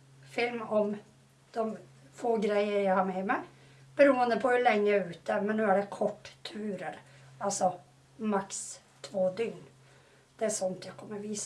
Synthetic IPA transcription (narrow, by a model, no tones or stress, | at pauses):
fɪlmɔm | d̪̥ɔmfoːɡɾæɪəɾjæɪhɑɾmɛmæ | b̥əɾuːənd̪əpʰɔhʉlɛŋːəʉːt̪̚d̪əmɛnːøːæɖɛkʰɔʈːt̪ʰːʉːɾəɾɑlsɔ | mɑks | t̪ʰʋoːd̪ʏŋn | d̪̥ɛæsɔnt̪ʰjæɪkʰɔmːəɾʋiːs